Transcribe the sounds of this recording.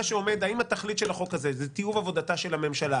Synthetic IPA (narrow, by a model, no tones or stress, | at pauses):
aʃeo̞me̞d̪aimat̪aχlit̪ʃe̞laχo̞khazezet̪ijuvavo̞dataʃelame̞mʃala